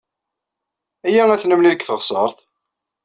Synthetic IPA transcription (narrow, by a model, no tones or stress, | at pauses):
æjæŋæθnəmniðəkθəʁsˤəɾˤθ